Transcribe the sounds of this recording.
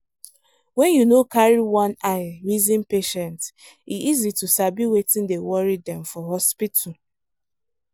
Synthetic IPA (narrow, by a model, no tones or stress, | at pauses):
wɛ̃njunokaɾiwãnaɪwizĩnpeʃɛnt | iʔizitusabiwetĩn̩dewɔɾidɛ̃mfɔɦɔspitʰu